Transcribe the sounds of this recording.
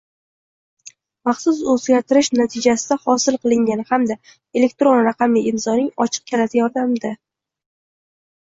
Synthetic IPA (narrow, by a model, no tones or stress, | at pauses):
mɑχsʊzɵzɡʲaɾt̪ʰɪɾɪʃnat̪ʰɪd͡ʒasɪd̪ahɒsɪlˠqɨlˠɪŋɡʲanɪhamd̪a | e̞le̞k̚ʲt̪ɾo̞nɾaqʰɑmiɪmsɒnɪŋɒt͡ʃʰɨ̥q̚kʲʰalat̪ajɒɾd̪amd̪ɪ